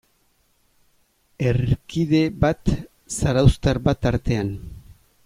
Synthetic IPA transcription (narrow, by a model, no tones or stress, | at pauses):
erkiðe̞βat̪ | saɾawst̪aɾbat̪aɾt̪e̞an